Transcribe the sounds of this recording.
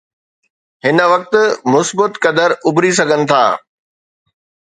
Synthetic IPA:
ɦɪnəʋɐk̚t̪̆mʊsbət̪kɐd̪əɾʔʊbʱɾis̬ɐɡʱənɪ̆t̪ʰa̰ː

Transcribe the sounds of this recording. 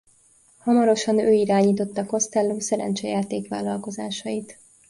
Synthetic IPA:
hɒmɒɾo̞ʃɒnøːiɾaːɲiːt̪o̞t̪ːɒko̞st̪ɛlːoːsɛɾɛ̰nt͡ʃɛjaːt̪eːkʋa̰ːlːɒlko̞zaːʃɒjit̪

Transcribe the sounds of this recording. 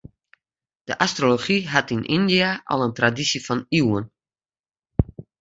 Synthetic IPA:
d̥əʔastroloχiɦatinʔindiaʔɔ̰lˠəntradisifɔniwən

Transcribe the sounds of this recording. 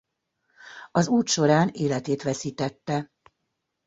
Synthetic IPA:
ɒzuːt̪ʃo̞ɾaːneːlɛt̪eːt̪ʋɛsiːt̪ɛt̪ːɛ

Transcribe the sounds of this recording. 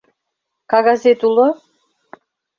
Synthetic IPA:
kɑɣɑzet̪ulɤ̆

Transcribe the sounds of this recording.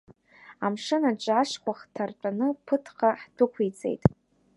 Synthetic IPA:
amʂɨnaʈ͡ʂʷʼaʂkʷaχtʰart͡ʃʷʼanɨpʰɨtʰqaħtʰɨkʷʰit͡sʼe̞̰jtʼ

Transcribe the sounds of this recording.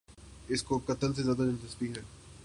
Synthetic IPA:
ɪskokɐt̪əls̬ezjaːd̪anɪntɪspiɦɛː

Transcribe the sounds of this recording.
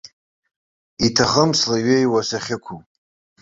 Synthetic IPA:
itʰaχəmslaɥejwasaχʲɪkʷʰu

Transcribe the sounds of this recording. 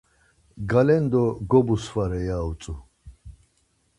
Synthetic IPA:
ɡalɛnd̪ɔɡɔbusfaɾɛjaut͡sʼu

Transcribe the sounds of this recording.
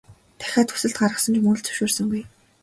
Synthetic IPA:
t̪ʰæ̥xʲaːt̪xu̥sɘ̆ɬt̪ɢaɾʁə̆sə̆nt͡ɕmɵɮt͡sɵ̥ʃoːrsɵ̆ŋɡuj

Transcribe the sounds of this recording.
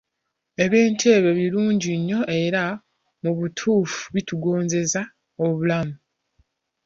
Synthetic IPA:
e̞βjeːntʰe̞ːβe̞βiluːɲɟiɲːo̞ʔe̞ɾa | muβutʰuːfu̥βituɡo̞ːɲze̞za | oβulamu

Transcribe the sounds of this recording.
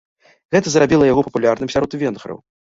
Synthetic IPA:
ɣɛt̪ɐzɾabʲilˠɐjaɣɔpɐpulʲarnɨmsʲaɾɔt̪vʲɛnɣɾɐ̰w

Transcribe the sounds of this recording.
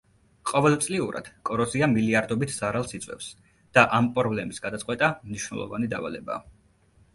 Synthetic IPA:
qʼɔvɛlˠt̪sʼliuɾa̰d̪̥kʼɔɾɔziamiliaɾd̪ɔbit̪ʰz̥aɾalˠsit̪sʼwɛ̰fs | d̪̥aʔampʼɾɔblɛmisɡad̪atsʼqʼwɛt̪ʼamniʃwnɛ̰lˠɔ̰va̰nid̪a̰va̰lɛba̰ː

